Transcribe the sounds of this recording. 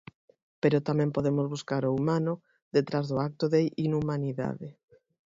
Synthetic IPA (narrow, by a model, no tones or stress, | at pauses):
peɾʊt̪amɛ̃mpoðemozβuskaɾoumanʊ | ðet̪ɾazðʊak̚t̪oðeʔinumaniða̰ðɪ